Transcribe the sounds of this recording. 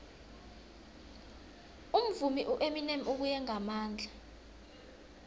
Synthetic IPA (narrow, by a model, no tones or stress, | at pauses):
um̩vumiʔuʔeminemok̬ujɛŋamaːnd͡ɮʱa